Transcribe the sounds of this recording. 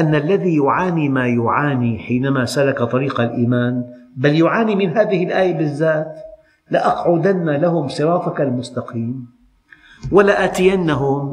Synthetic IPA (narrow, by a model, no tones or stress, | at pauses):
ʔanːalːaðijʊʕaːnimaːjʊʕaːniħiːnamasalakat̪ˤɑɾiːqalʔiːmaːn | baljʊʕaːnimɪnɦaːðɪhɪlʔaːjabɪzːaːt̪ | lɪʔɑqʕʊd̪anːalahʊmsˤɨɾˤɑːfakalmʊst̪ɑqʰiːm | walaʔaːt̪ɪjanːaɦʊm